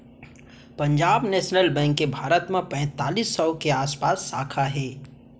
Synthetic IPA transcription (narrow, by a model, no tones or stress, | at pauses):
pɐ̃ɲd͡ʒaːbnɛːʃnəlbɛ̃ːŋkːebʱaːɾət̪mẽpɛ̃ːt̪aːliːsːəʊkeaːspaːsːaːkʰaɦɛː